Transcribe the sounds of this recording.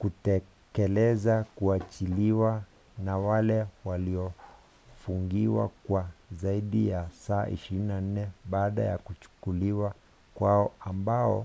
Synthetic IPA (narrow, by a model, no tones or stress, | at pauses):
kutɛ | kɛlɛzakuat͡ʃiliwa | nawalɛwaliɔ | fuŋɡiwa̰kwazaiɗijasaːʔḭʃiɾinan̩nɛɓaːɗa̰ja̰kut͡ʃu̥kuliwa | kwaɔambaɔ̰